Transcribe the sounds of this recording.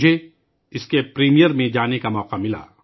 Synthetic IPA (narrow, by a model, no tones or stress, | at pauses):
d͡ʒʱe | ɪskepɾiːmijəɾmẽd͡ʒaːnekamɔːqamɪla̰ː